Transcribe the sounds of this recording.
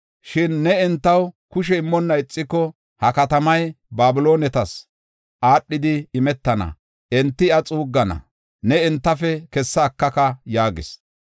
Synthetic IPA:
ʃɪnːɛɪnt̪ːɐwkʊʃ̬ɛɪmːɔnːɐɪt͡sʼːɪkːɔ | hɐkɐt̪ɐmɐj | baːbɪlo̞ːnɛt̪ɐs | ʔaːɗːɪd̪ɪːmɛt̪ːɐnɐ̰ | ʔɛnt̪ːɪɐt͡sʼuːɡːɐnɐ̰ | nɛɪnt̪ːɐfɛkɛsːɐːkːɐkɐjaːɡɪ̰s

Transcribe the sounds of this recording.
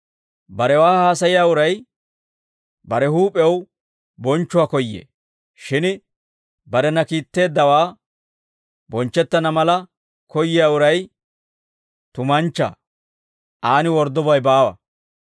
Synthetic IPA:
bɐɾɛwaːhaːsɐjɪjaːʊɾɐj | bɐɾɛhuːpʼɛw | bɔnt͡ʃːʊwaːkɔjːḛː | ʃɪn | bɐɾɛnɐkiːt̪ːe̞ːd̪ːɐwaː | bɔnt͡ʃːɛt̪ːɐnɐmɐlɐ | kɔjːɪjaːʊɾɐj | t̪ʊmɐnt͡ʃːa̰ː | ʔaːnɪwɔɾd̪ːɔbɐjbaːwɐ̰

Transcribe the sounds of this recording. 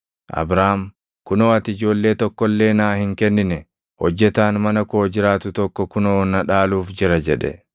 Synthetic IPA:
ʔɐ̰bɾaːm | kʊnoːɐt̪ɪd͡ʒo̞ːlːe̞ːt̪ɔkːɔlːe̞ːnaːhɪŋkɛnːɪnɛ | hɔd͡ʒːɛt̪aːnmɐnɐkoːd͡ʒɪɾaːt̪ʊt̪ɔkːɔkʊnoːnɐᶑaːluːfd͡ʒɪɾɐd͡ʒɛᶑɛ̰

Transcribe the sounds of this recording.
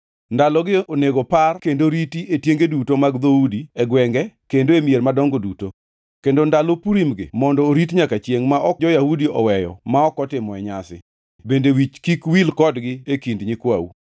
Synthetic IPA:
ndalɔɡɪoneɡoparkendoɾitiʔetjeŋɡedutomaɡd̪oudiɛɡwɛŋɡɛkendoemjermadɔŋɡoduto | kendondalopuɾimɡɪ̰mɔndɔːɾitɲakat͡ʃjeŋmaʔɔd͡ʒɔjahudiɔ̰wɛjɔ̰maɔkɔtɪmɔɛɲasɪ̰ | bendewit͡ʃkikwilkɔdɡɪekindɲɪkwawṵ

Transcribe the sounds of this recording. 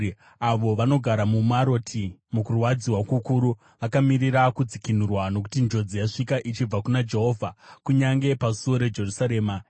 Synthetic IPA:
aʋo̞ʋano̞ɡʱaɾamumaɾo̞tʰimukurwad͡ziwakukuɾu | ʋakamiɾiɾakud͡zikinurwano̞k̬u̥tind͡ʒo̞d͡zijaʂikaʔit͡ʃib͡vakunad͡ʒe̞ɦo̞ːvʱakuɲaŋɡe̞pasuwo̞ɾe̞d͡ʒe̞rusaɾe̞ːma

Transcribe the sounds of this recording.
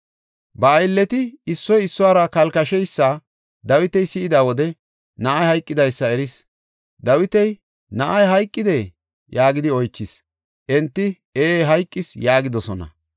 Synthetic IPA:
bɐːjlːɛt̪ɪɪsːɔjɪsːʊwaːɾɐkɐlkɐʃɛjsːa | d̪ɐwɪt̪ɛjsɪɪd̪aːwɔd̪ɛ | nɐʔɐjhɐjkʼːɪd̪ɐjsːɐɛɾɪs | d̪ɐwɪt̪ɛj | nɐʔɐjɦɐjkʼːɪd̪e | jaːɡɪd̪ɪɔjt͡ʃːɪs | ʔɛnt̪ːɪ | eːɦɐjkʼːɪsjaːɡɪd̪ɔsɔnɐ̰

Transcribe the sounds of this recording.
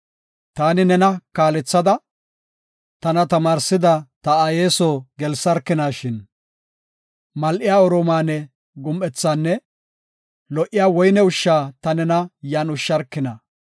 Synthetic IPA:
t̪aːnɪnɛnɐkaːlɛt͡sːɐd̪ɐ | t̪ɐnɐt̪ɐmaːɾsɪd̪ɐt̪ɐɐjeːsoːɡɛlsɐɾkːɪnaːʃɪn | mɐlʔɪjaːɔɾoːmaːnɛ | ɡʊmʔɛt͡sːaːnːɛ | lɔʔɪjaːwɔjnɛʊʃːaːt̪ɐnɛnɐjaːnʊʃːɐɾkːɪnɐ

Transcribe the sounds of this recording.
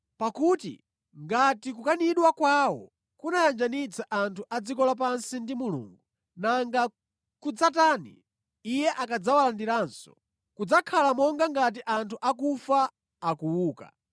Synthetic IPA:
pakutḭ | ŋɡatikukaniɗwakwawɔ̰ | kunajand͡ʒanit͡sʰaʔantʰuʔad͡zikɔlap̬ansindimulṵːŋɡu | naŋɡa | kud͡zataːnḭ | ijɛʔakad͡zawalandiɾaːnsɔ̥̰ | kud͡zakʰalamɔŋɡaŋɡat̬iʔantʰuʔak̬ufaː | kuwuːka̰

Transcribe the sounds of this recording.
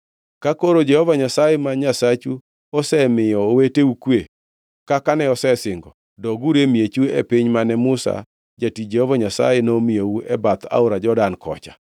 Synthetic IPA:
kakoɾod͡ʒɛhɔvaɲasajɛmaɲasat͡ʃu | ɔsɛmɪjɔweteukwe | kakanɛɔsɛsɪŋɡɔ | dɔɡuɾemjet͡ʃuḛpɪɲmanɛmʊsa̰ | d͡ʒatid͡ʒɛhɔvaɲasa̰jenomɪjouɛbat̪a̰ʊɾad͡ʒɔdankɔ̰t͡ʃḁ

